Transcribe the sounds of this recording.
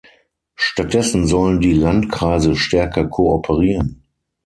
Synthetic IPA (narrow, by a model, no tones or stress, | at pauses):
ʃtat̚d̥ɛsn̩zɔləndiːlantkʁ̥aɪzəʃtɛɐkɐkʰoːɔpʰəʁiːʁən